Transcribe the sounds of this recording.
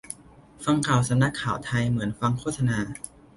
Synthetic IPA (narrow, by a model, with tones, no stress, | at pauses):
fa˧ŋkʰaː˨˩wsa˧mna˧˥˩kʰːaː˨˩wt̪ʰa˧jmɯ˩˦ənfa˧ŋkʰoː˥˩t̪̚sa˧naː˧